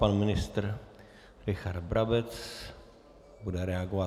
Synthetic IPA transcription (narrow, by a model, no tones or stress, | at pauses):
panmɪnɪst̪əɾ | ɾɪçaɾd̪bɾabɛt̪s | buɖəɾɛaɡʊa